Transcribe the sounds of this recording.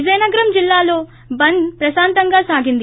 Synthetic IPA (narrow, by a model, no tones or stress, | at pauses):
d͡ʒɐjnɐɡɐɾɐmd͡ʒilːaːlo̞ː | bɐnd̪pɾɐsaːnt̪ɐŋɡaːsaːɡind̪i